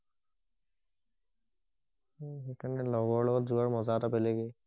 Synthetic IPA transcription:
xekʰaɹnɛlɔɡɔɹlɔɡɔtzuaɹmɔzatabɛleɡɛ

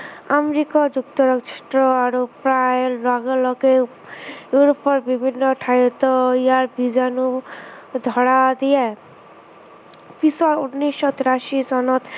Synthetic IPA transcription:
amɾikɔd͡ʒuk̚t̪ɔɾaʃʈɾɔaɾopɾaelaɡɔlɔke | juɾɔpɔɾbibʱinːɔʈʰajt̪ɔiaɾbid͡ʒanu | d̪ʱɔɽad̪ije | pisɔunːiʃɔt̪ɾaʃisɔnɔt̪

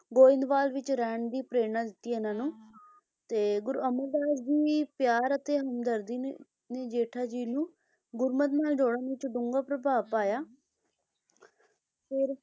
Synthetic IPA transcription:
ɡoːɪ̃nd̪ʋaːlʋɪt͡ʃɾɛːɳd̪iːpɾeːnãːd̪ɪt̪ːianãːnũː | t̪eːɡʊɾəməld̪aːd͡ʒd͡ʒiːpjaːɾət̪eːɦəmd̪əɾd̪iː | neːd͡ʒeːʈʰaːd͡ʒiːnũː | ɡʊɾmət̪maːld͡ʒoːɽãːnɪt͡ʃɖʊŋɡaːpɾəbaːpaːjaː | pʰɪɾ

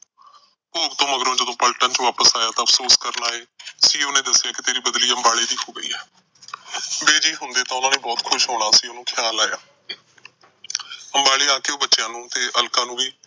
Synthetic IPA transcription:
poːbt̪õːməɡɾõːd͡ʒəd̪õːpəlʈənt͡ʃʋaːpəsaːjaːt̪ãːəpʰsoːskəɾnaːɦeːsiːonẽːd̪əsːjaːkɪt̪eːɾiːbəd̪liːəmbaːɭeːd̪iːɦoːɡəḭːɦɛː | beːd͡ʒiːɦʊnd̪eːt̪ãːʊnãːneːbɔːt̪kʰʊʃɦoːɽ̃aːsiːonũːkʰjaːlaːjaː | əmbaːɭiːaːkeːoːbətːʃjãːnũːt̪eːʔəlkãːnũːʋiː

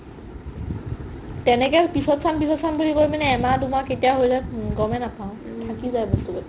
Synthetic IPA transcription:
tɛnɛkɛpisɔtsanpisɔtsanbulikomanɛːmatʊmaketijaɦojlɛɡɔmɛnapaʊ̃ | tʰakizajbɔstubɔ

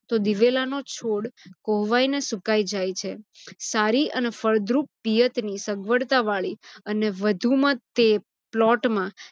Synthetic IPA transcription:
t̪od̪iʋelanot͡ʃʰoɽkoɦʋainesukaid͡ʒajt͡ʃʰesaɾiənefəɾd̪ɾuppijət̪nisəɡʋəɽt̪aʋaɭiəneʋəd̪ʱumãt̪e | plɔʈmã

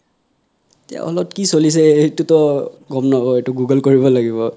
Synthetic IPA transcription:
etia̰ɔ̰lɔtkisolis̬ɛetutɔɡɔmnɔbɔetuɡuɡəlkoɹiβɔlaɡiβɔ

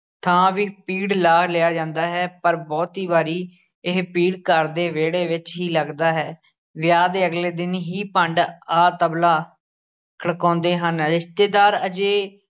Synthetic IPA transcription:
t̪ʰãːʋiːpiːɽlaːlɪaːd͡ʒãːnd̪aːɦɛːpəɾbɔːt̪ɦiːbaːɾiː | ɪɦpiːɽkəɾd̪eːʋeːɽeːʋɪt͡ʃɦiːləɡd̪aːɦɛː | ʋɪjaːd̪eːəɡleːd̪ɪnɦiːpəɳɖaːt̪əblaː | kʰəɽkɔ̃ːnd̪eːɦənɾɪst̪eːd̪aːɾəd͡ʒeː

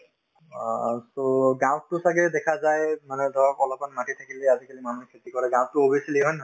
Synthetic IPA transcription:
soɡãw̃tʊsaɡɛdɛkʰazajmanɛdʱɔɹɔkɔlɔpanmatʰit̪ʰakileazikalimanukʰetikɔɹɛɡãw̃tʊobesileɦɔn

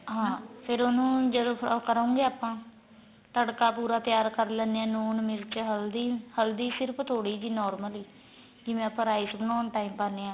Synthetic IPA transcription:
ɦãːpʰɪɾonũːd͡ʒəd̪oːkəɾaːũːŋɡeːaːpãː | t̪əɽkaːpuːɾaːt̪ɪjaːɾkəɾlɛːnːeːãːnuːnmɪɾt͡ʃɦəld̪iːhəld̪iːsɪɾpʰt̪ʰoːɽiːd͡ʒiːnɔːɾməliː | d͡ʒɪʋɛ̃ːpəɾaːisbənɔːnʈaːiːmpaːneːãː

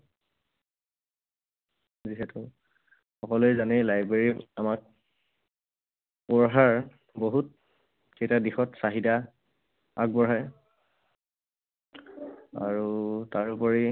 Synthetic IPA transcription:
ziɦɛtʊ | xɔkɔlojzanɛlajbɹeɹiamak̚ | pɔɹɦaɹ | boɦut̚ | kejtadixɔtsaɦida | a̰kɡ̚bɔɹɦaj | a̰ɹutaɹupɔɹi

